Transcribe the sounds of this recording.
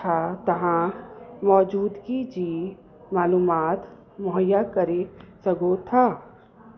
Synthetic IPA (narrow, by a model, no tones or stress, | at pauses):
at̪ɐɦãmɔːd͡ʒuːd̪kid͡ʒiː | maːluːmaːt̪ | mʊɦəjakɐɾesɐɡot̪ʰaː